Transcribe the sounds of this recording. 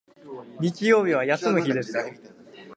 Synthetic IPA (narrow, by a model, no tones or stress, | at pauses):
ɲ̟it͡ɕijo̞ːbʲiβ̞ajasɨmɯ̟çid̪e̞sɨ̥